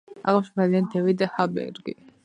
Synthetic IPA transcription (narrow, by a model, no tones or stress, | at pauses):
a̰ʁaʃmaliand̪ɛvid̪habɛ̰ɾɡḭ